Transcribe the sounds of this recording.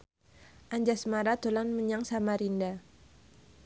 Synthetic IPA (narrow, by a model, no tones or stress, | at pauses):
ʔaɲd͡ʒasmaɾat̪olanməɲaŋsamaɾinda